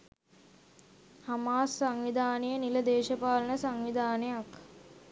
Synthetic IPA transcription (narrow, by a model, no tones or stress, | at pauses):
hamaːsːaŋʋid̪ʱaːnəjəniləd̪eːʃəpaːlənəsaŋʋid̪ʱaːnejak